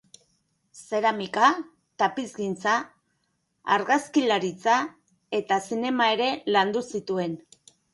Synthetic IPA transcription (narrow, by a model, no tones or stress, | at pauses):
se̞ɾamika | t̪apizɡint͡sa | a̰ɾɣaskilaɾit͡sa | e̞t̪asine̞mae̞ɾe̞land̪usit̪ue̞n